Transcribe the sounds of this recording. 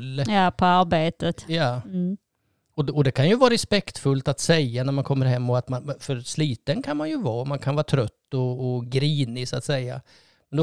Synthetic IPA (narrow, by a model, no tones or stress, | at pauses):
lːjɑpʰɔaɾbeːt̪ət̪jɑː | ɔɔd̪ɛkʰanjɵvɑːɾɛspɛkt̪fɵlt̪at̪sɛjːanæɾmankʰɔmːəɾɦɛmːɔat̪manfœɾsliːt̪ənkʰanmanjɵvɑːmankʰanvɑːat̪ʰɾœt̪ːɔːɡɾiːnɪsʊat̪sɛjːa̰ | mɛnd̪ɔ